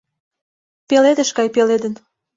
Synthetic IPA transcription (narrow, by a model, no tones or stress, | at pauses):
peled̪əʃkɑjpeled̪ə̆n